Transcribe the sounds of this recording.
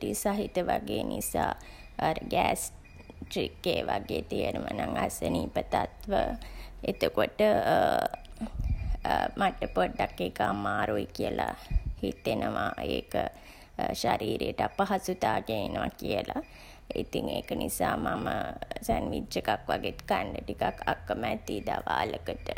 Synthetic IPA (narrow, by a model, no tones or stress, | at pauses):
ʈisaɦit̪əʋaɡeːnʔisaː | aɾəɡæːs | ʈɾikːeːʋaɡeːt̪ijənəʋənaŋasəniːpət̪at̪ʋəet̪əkoʈə | maʈːəpoɖːakːekamaːɾuikiəlahit̪ːenəʋaeːkə | ʃaɾiːɾejəʈəapaɦasut̪aːɡenenəʋakiəla | it̪iŋeːkənʔisaːmaməsænʋid̪d͡ʒəkakʋaɡet̪kaɳɖəʈikakʰakːəmɛːt̪iːd̪aʋaːləkəʈə